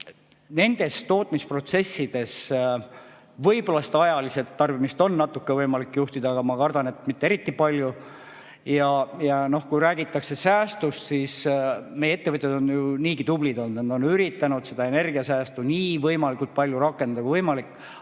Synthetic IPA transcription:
ne̞nd̪̥e̞st̪o̞ːt̪ˑmispro̞t̪se̞sːid̪̥e̞s | vɤjbolɑst̪ɑjɑlise̞t̪ːɑrb̥imist̪o̞nːɑt̪ːˑukːevɤjmɑlikːjuht̪id̪ɑːɡɑmɑkɑrd̪̥ɑne̞t̪mit̪ːe̞ɾit̪ːˑipɑlʲju | jɑjɑno̞hkujɾæːɡit̪ːˑɑkse̞sæːst̪ust̪sismejeet̪ːe̞vɤt̪jɑd̪o̞njuniːɡit̪ublid̪o̞nːd̪nend̪o̞nyɾit̪ːˑɑnud̪̥se̞d̪ɑe̞ne̞rɡiɑsæːst̪uniːvɤjmɑlikult̪̚pɑlʲjuɾɑkːˑe̞nd̪d̪ɑkuvɤjmɑlikːˑ

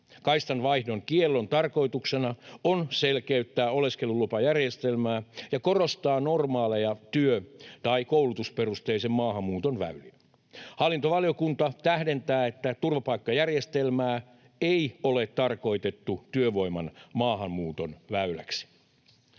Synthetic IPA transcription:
kɑist̪ɑnʋɑihdoŋkielːont̪ɑrko̞it̪uksenɑonselkeyt̪ːæːo̞le̞skelulupɑjærjest̪elmæːjɑkorost̪ɑːno̞rmɑːlejɑt̪yøt̪ɑikowlut̪usperust̪eisemmɑːɦɑmːuːt̪onʋæ̰yli | hɑlːint̪oʋɑlijokunt̪ɑt̪æhde̞nt̪æːet̪ːæt̪urʋɑpɑikːɑjærjest̪elmæː | eiolet̪ːɑrko̞it̪et̪ːut̪yøʋo̞imɑnmɑːɦɑmːuːt̪o̞nʋæylæ̰ksi̥

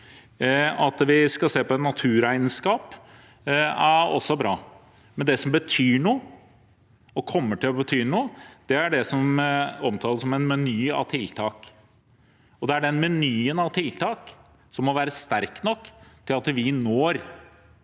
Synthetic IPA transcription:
ɑt̪ʋɪskɑseːpɔɛt̪nɑt̪ʰʉːɾæɪnəskɑːp | æɔ̰sːɔbɾɑː | mɛnd̪ɛsɔmbət̪ʰyːɳuː | ɔkʰɔmːəʈɪlɔbət̪ʰyːnuːd̪̥ɛæɖɛsɔmɔmt̪ʰɑːləsɔmɛnmɛnyːɑ̰ʋt̪ʰɪlt̪ʰɑːk | ɔd̪ɛæɖɛnmɛnyːənɑʋt̪ʰɪlt̪ʰɑːk | sɔmːɔʋæːɾəst̪æɾknɔkːt̪ʰɪlɑt̪ʋɪnoːɾ

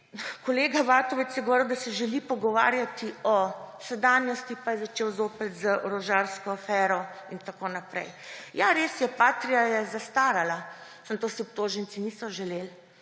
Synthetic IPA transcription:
kɔleːɡaʋaːt̪ɔʋɛt̪sjɛɡoʋɔɾiwd̪asɛʒɛlipɔɡɔʋa̰ːɾjat̪iɔsɛd̪aːnjɔst̪ipajɛzat͡ʃeːwzoːpɛt̪zəʔɔɾɔʒaɾskɔafɛːɾɔint̪akoːnapɾɛ̰jjaɾeːsjɛpaːt̪ɾijajɛzast̪aːɾala | səmt̪oːsiɔp̚t̪oːʒɛnt̪sinisɔʒɛleːl

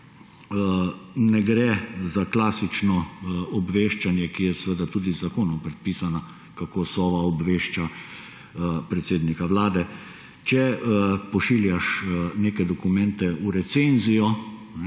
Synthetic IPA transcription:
nɛɡɾɛzaklaːsit͡ʃnɔɔbʋeːʃt͡ʃanjɛkijɛsʋəd̪at̪uːd̪izːakoːnɔmpɾɛt̪̚piːsana | kakosɔːʋaɔbʋeːʃt͡ʃa | pɾɛt̪seːd̪nikaʋlaːd̪ɛ | t͡ʃɛpɔʃiːljaʃneːkɛd̪ɔkumɛnt̪ɛuɾɛt̪senzijɔ | nɛ

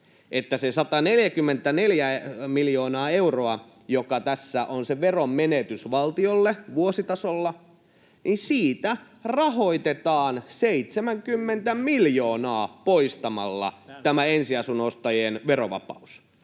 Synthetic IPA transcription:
ʔet̪ːæsesɑt̪ɑneljækymːent̪æneljæmiljoːnɑːe̞uroɑ | jokɑt̪æsːæʔonseʋerommenet̪ysʋɑlt̪iolːeʋuosit̪ɑsolːɑ | ninsiːt̪æ | rɑɦoit̪et̪ɑːnseit̪semæŋkymːent̪æmiljoːnɑːpoist̪ɑmɑ̰lːɑ̰t̪æmæensiɑsunost̪ɑjenʋeroʋɑ̰pɑ̰us

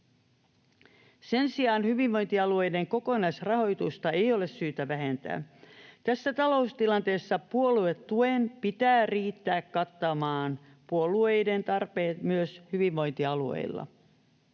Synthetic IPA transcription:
se̞nsiɑːnhyʋiʋʋo̞jnt̪iɑlue̞jdeŋko̞ko̞nɑjsrɑho̞jt̪ust̪ɑe̞jo̞le̞ssyːt̪æʋæɦe̞nt̪æ̰ːt̪æsːæt̪ɑlo̞ust̪ilɑnt̪e̞ːsːɑpuolue̞t̪tuenpit̪æːriːt̪ːæːkːɑt̪ːɑmɑːn | puoluejde̞nt̪ɑrpe̞ːt̪myøshyʋiʋʋo̞jnt̪iɑluḛilːɑ̰

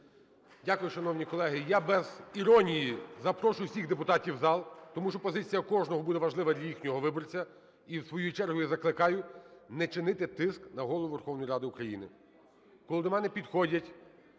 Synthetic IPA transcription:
dʲakʊjʊʃɐnɔwnʲikɔlˠɛɦɪjabɛziɾɔnʲijizɐpɾɔʃʊjʊwsʲiɣd̪epʊt̪ɑtʲiwzɑlˠt̪ɔmuʃt͡ʃɔpɔzɪt͡sʲijɐkɔʒnɔɦɔbud̪ɛʋɐʒlˠɪʋɐd̪lʲɐjixnʲɔɦɔʋɪbɔrt͡sʲɐ | iwsʋɔjut͡ʃɛrɦʊjizɐklˠɪkɑjʊnɛt͡ʃɪnɪt̪ɪt̪ɪsknɐɦɔlˠɔʋʊʋerxɔwnɔjiɾɑd̪ɪukɾɐjḭnɪ | kɔlˠɪd̪ɔmɛnɛpʲid̪xɔdʲɐtʲ

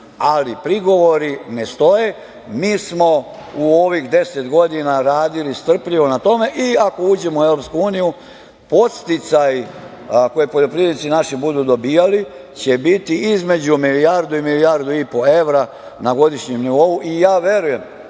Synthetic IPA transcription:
alipɾiɡo̞ʋo̞ɾine̞st̪o̞je̞ | miːsmo̞ | uoʋixd̪e̞set̪ɡo̞d̪inaɾaːd̪ilist̪r̩pʎiʋo̞nat̪o̞me̞ʔiako̞uːd͡ʑe̞moue̞ʋɾo̞p̪skuuːniju | po̞t̪st̪it̪saji | ko̞jepoʎo̞pɾid̪nit̪sinaʃibud̪ud̪o̞bijali | t͡ɕe̞bit̪iizme̞d͡ʑumiliaɾd̪uimiliaɾd̪uipo̞e̞ʋɾa | naɡo̞d̪iʃɲemniʋo̞uʔijaːʋje̞ɾuje̞m

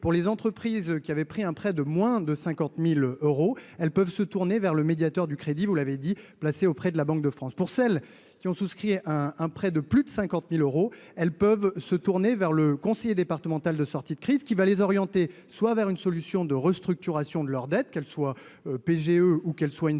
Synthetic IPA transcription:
puʁlezɑ̃t̪χəpχizkʲiavɛpχiɛ̃pχɛd̪əmwɛ̃d̪əsɛ̃kɑ̃t̪miløʁoɛlpœvsət̪uʁnevɛʁləmed̪jat̪œʁd̪ykχed̪ivulaved̪iplaseopχɛd̪əlabɑ̃k̚d̪əfχɑ̃spuʁsɛl | kʲiɔ̃suskχiɛ̃ɛ̃pχɛd̪əplyd̪əsɛ̃kɑ̃t̪miløʁoɛlpœvsət̪uʁnevɛʁləkɔ̃sejed̪epaʁt̪əmɑ̃t̪ald̪əsɔʁt̪id̪əkχizkʲivalezɔʁjɑ̃t̪e | swavɛʁynsɔlysjɔ̃d̪əʁəst̪χyk̚t̪yʁasjɔ̃d̪əlœʁd̪ɛt̪̚kɛlswa | øpeʒeøukɛlswayn

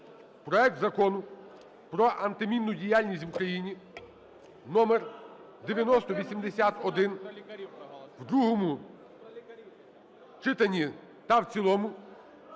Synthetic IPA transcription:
pɾɔɛk̚t̪zɐkɔnʊ | pɾɔʔɐnt̪ɪmʲinːʊdʲijalʲnʲisʲtʲʋukɾɐjinʲi | nɔmɛr | d̪eʋʲjɐnɔst̪ɔʋʲisʲimd̪esʲat̪ɔd̪ɪn | wd̪ɾuɦɔmʊ | t͡ʃɪt̪ɐnʲi | t̪ɐwt͡sʲilˠɔmʊ

